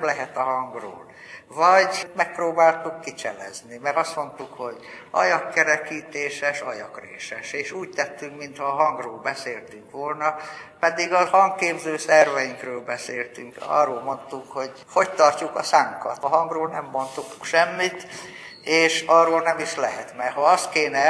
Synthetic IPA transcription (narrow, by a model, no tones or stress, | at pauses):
mlɛɦɛt̪ɒɦɒŋɡro̰ːl | vɒɟmɛk̚proːbaːlt̪ukːit͡ʃɛ̰lɛ̰znimɛɾɒst̪mo̞nt̪ukho̞ɟ | ɒ̰jɒkːɛɾɛkiːt̪eːʃɛʃɒjɒkrḛːʃɛʃeːʃuːct̪ɛt̪ːyŋkmint̪hɒːɦɒŋɡroːlbɛseːlt̪yŋkʋo̞lnɒpɛd̪iɡɒhɒŋkeːbzøːsɛrvɛjiŋkrøːlbɛseːlt̪yŋkɒ̰roːlmo̞nt̪ukho̞ɟ | ho̞ct̪ɒrcukɒsaŋkɒ̰t̪ɒɦɒŋɡroːlnɛmːo̞nt̪ukʃɛmːit̪ | eːʃɒroːlnɛmiʃlɛɦɛt̪mɛɦoɒst̪keːnɛ